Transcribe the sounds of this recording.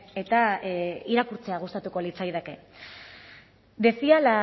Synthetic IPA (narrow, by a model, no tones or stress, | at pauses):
e̞t̪aiɾakuɾt͡se̞aɣ̞ust̪at̪uko̞lit͡sajðeke̞ | d̪e̞siala